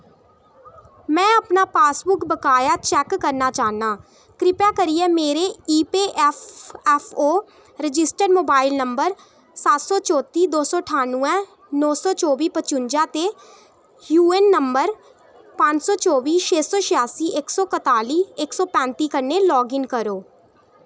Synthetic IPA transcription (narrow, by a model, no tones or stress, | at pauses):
mɛ̃ːəpnaːpaːsbʊkbəkaːjaːt͡ʃɛːkːəɾnaːt͡ʃaːnaː | kɾɪpaːkəɾiɛːmeːɾeːiːpeːʔfɛfʰoː | ɾɪd͡ʒɪsʈəɾmoːbaːɪlnəmbəɾ | saːt̪sɔːt͡ʃɔːt̪iːd̪oːsɔːʈʰaːnũɛ̃ː | nɔːsɔːt͡ʃɔːʋiːpət͡ʃʊɲd͡ʒãːt̪eː | juːɛnːəmbəɾ | pə̃ɲd͡ʒsɔːt͡ʃɔːʋiːʃʰeːsɔːʃɪjaːsiːʔɪksɔːkət̪aːliːɪksɔːpɛ̃ːnt̪iːkəɾnelɔːɡɪŋkəɾoː